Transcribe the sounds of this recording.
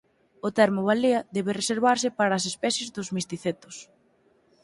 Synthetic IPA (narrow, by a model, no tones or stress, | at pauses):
ʊt̪ɛɾmʊβaliɐðɛβɪreseɾβaɾsɪpaɾaːs̬espɛθjezd̪ʊzmist̪iθet̪ʊ̥s